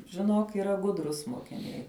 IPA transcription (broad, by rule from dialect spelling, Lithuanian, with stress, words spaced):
ʒʲɪˈnoːk iːˈrɐ ˈɡʊdrʊs moːkʲɪˈnʲɛɪ